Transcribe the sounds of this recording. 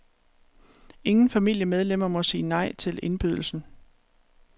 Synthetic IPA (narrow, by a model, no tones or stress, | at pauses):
e̝ŋn̩fæmil̰jəmeð̞ˠlem̰ɐmɒ̽siːnɑ̈ɪ̰t͡sʰe̝le̝nb̥yð̞ˠl̩sn̩